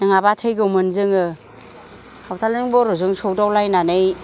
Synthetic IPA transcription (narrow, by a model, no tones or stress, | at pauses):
nɯŋabatʰɯjɡɯmɯnzɯŋɯ | awtʰalɯŋbɔɾuzɯŋsɔwdawlajnanɯj